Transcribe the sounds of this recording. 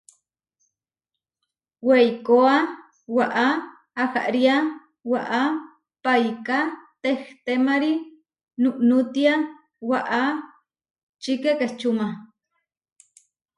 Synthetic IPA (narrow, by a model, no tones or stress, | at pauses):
wejkoa | waʔaː | xa̰ʔɾia | waʔa | pajkat̪ext̪emaɾi | nuʔnut̪ia | waʔa | t͡ʃikekeht͡ʃuma